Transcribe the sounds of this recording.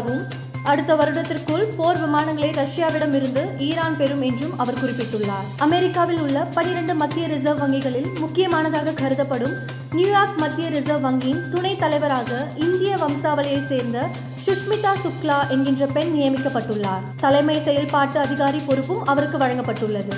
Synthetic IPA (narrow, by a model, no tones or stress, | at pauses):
ɣɯm | ɐɽɯt̪ːɐʋɐɾɯɽɐt̪ːɪrkɯɭpoːɾʋɪmaːnɐŋɡɐɭɐɪɾɐʂɪjaːʋɪɽɐmɪɾɯnd̪ɯʔiːɾaːnpɛɾɯmɛndrɯmɐʋɐɾkʊrɪpːɪʈːɯɭːaːɾɐmɛɾɪkːaːʋɪlʊɭːɐpɐɳɪɾɐɳɖɯmɐd̪ːɪjɐɾɪzɐʋʋɐŋɡɪɣɐɭɪlmʊkːɪjɐmaːnɐðaːɣɐkʰɐɾɯðɐpːɐɽɯm | njuːjaːɾkmɐt̪ːɪjɐɾɪzɐʋʋɐŋɡiɪnt̪ʊnɐɪt̪ːɐlɐɪʋɐɾaːɣɐɪnd̪ɪjɐʋɐmsaːʋɐlɐjɐɪseːɾnd̪ɐ | sʊʂmɪt̪ːaːsʊklaːʔɛnɡɪndrɐpɛnnɪjɐmɪkːɐpːɐʈːɯɭːaːɾt̪ɐlɐɪmɐɪsɛjɐlpaːʈːɯɐðɪɣaːɾipɔɾɯpːɯmɐʋɐɾɯkːɯʋɐɻɐŋɡɐpːɐʈːɯɭːɐðɯ